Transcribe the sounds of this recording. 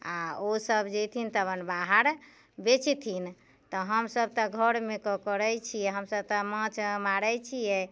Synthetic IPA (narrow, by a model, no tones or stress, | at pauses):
aosəbd͡ʒɛt̪ʰint̪əbənbaɦəɾ | bet͡ʃit̪ʰin | t̪ɔɦəmsəb̚t̪ɔɡʱəɽmekɔkəɾɛjt͡ʃʰijɛɦəmsəb̚t̪ɔmə̃t͡ʃmaɾəjt͡ʃʰijɛ